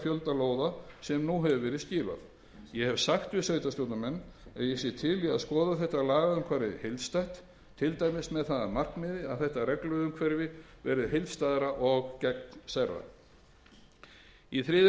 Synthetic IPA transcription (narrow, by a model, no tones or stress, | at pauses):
fjœlt̪aloːwðasɛmnuɦɛvʏvɛːɾɪðscɪːɾva̰ð | jɛhɛvsaxt̪vɪsœːɥt̪asowt̪namɛnːaðjɛsjɛt̪ʰɪlia̰ðskɔːðaθɛht̪alaːɣaʏmkʰvaːɾɪ̰hejlðst̪ajht̪ | t̪ʰɪlt̪ajmɪsmɛðθaðamar̥knmɪːðɪa̰ðθɛht̪arɛklʏðʏmkʰvɛɾvɪvɛ̰ːɾɪðɦejlðst̪aːðɾaʔɔɣcɛk̚nsarːa̰ | iθɾɪːð